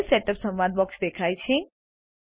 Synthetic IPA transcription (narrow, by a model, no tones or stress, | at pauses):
lseʈəpsə̃mʋad̪̚bɔksd̪ekʰajt͡ʃʰe